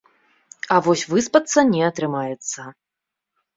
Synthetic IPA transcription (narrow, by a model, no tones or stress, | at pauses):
ɐvɔsʲvɨspɐt̪sːɐnʲɛɐt̪ɾɨmajɛt̪sːɐ